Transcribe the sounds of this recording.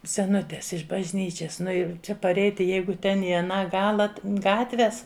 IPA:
sʲɛˈnʊtʲeːs ɪʃ bɐʒʲˈnʲiːt͡ʃʲɛs ˈnʊ jɛʊ ˈt͡ʃʲɛ pɐˈrʲɛɪtʲɪ ˈjɛɪɡʊ ˈtʲɛn ɪ ɐˈnɑː ˈɡɑːlˠɐ t ˈɡɑːtʲʋʲɛs

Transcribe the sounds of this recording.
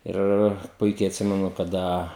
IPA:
ˈɪr ˈpʊɪkʲɛɪ ɐtʲˈsʲɪmʲɛnʊ kɐˈdɐ

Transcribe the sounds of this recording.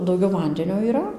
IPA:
dɐʊˈɡʲɛʊ ˈʋɐnʲdʲɛnʲoː iːˈrɐ

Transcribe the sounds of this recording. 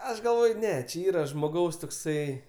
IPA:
ˈɐʃ ɡɐlˠˈʋoːj ˈnʲɛ t͡ʃʲɪ ˈiːrɐ ʒmoːˈɡɐʊs toːkˈsɐɪ

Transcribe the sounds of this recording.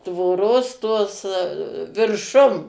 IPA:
tʋoːˈroːs toːs ʋʲɪrˈʃʊm

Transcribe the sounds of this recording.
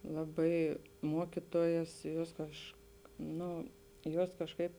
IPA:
ˈlˠɑːˌbɐɪ ˈmuɔkʲɪtuɔjɛs ˈjuɔs kɐʃk ˈnoː ˈjuɔs kɐʃˈkɐɪp

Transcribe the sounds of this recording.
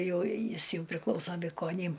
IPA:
ˈjɛʊ ˈjɪs ˈjɛʊ pʲrʲɪˈklˠɐʊsoː ʋʲɪkoːˈnʲiːm

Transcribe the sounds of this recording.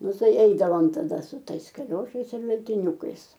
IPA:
ˈnʊ ˈtɐɪ ˈɛɪdɐʋoːm tɐˈdɐ sʊ ˈtɐɪs kɐˈlʲoːʃɐɪs ɪr ʋʲɛlʲtʲɪˈnʲuːkɐɪs

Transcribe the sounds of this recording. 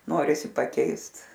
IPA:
ˈnoːrʲɪsʲɪ pɐˈkʲɛɪst

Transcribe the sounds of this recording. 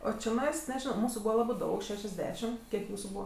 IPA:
oː t͡ʃʲɪˈnɐɪs nʲɛˈʒʲɪnoː ˈmuːsʊ ˈbuːʋɐ ˈlˠɑːbɜ ˈdɐʊk ˌʃʲæːʃʲɛzʲˈdʲæːʃʲɪm ˈkʲiɛk ˈjuːsʊ ˈbuːʋɐ

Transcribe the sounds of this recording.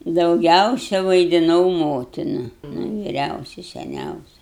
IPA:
dɐʊˈɡʲɛʊsʲɛ ʋɐɪdʲɪˈnɐʊ ˈmoːtʲɪnɐ nʊ ʋʲɪˈrʲɛʊsʲɪ sʲɛˈnʲɛʊsʲɪ

